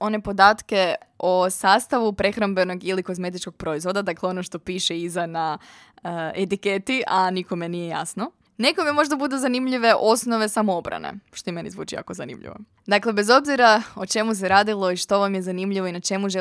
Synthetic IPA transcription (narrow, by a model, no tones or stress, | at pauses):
o̞ne̞po̞d̪aːt̪ke̞osaːst̪aʋupɾe̞xɾambe̞no̞ɡiliko̞zme̞t̪̬it͡ʃkoɡ̚pɾo̞izʋo̞d̪ad̪akleo̞noʃt̪o̞piːʃeizana | et̪iket̪iʔaniko̞menijeja̰sno̞ | nekomiemo̞ʒd̪abud̪ezanimʎiʋe̞ʔo̞snoʋe̞samoobɾa̰nḛʃt̪oime̞nḭzʋṵːt͡ʃija̰kozanḭmʎḭʋo̰ | d̪akle̞be̞zo̞bziɾaot͡ʃe̞mus̬eɾaːd̪ilˠo̞iʃt̪o̞ʋamje̞zanimʎiʋo̞inat͡ʃe̞muʒe